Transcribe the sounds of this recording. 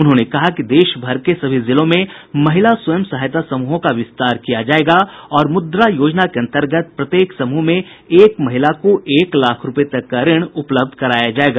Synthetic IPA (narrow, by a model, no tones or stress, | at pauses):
ʊnɦõːnekɐɦakid̪eːʃbʱɐɾkesɐbʱizɪlõmẽmɐɦɪlaswɐjəmsɐɦajt̪asɐmuɦõkaʋɪst̪aːɾkijad͡ʒaːeːɡaɔːɾmʊd̪ɾajoːd͡ʒnakeɐ̃nt̪əɾɡət̪̚pɾɐt̪jeːksɐmuɦmẽ | eːkmɐɦɪlakoʔeːklaːkʰɾʊpet̪ɐkːaɾɪɽ̃ʊpləb̚d̪ʱkɐɾaːjad͡ʒaːeːɡaː